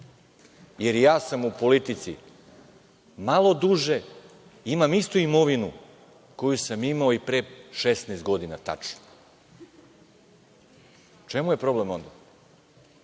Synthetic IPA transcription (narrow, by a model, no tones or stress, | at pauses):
je̞ɾjaːsamupo̞lit̪it̪sḭ | malˠo̞d̪uʒe̞ | imamist̪uimo̞ʋinu | ko̞jusamimaoipɾeʃest̪neːst̪̚ɡo̞d̪inat̪a̰t͡ʂno̥ | t͡ʃemuje̞pɾo̞blemo̞nd̪a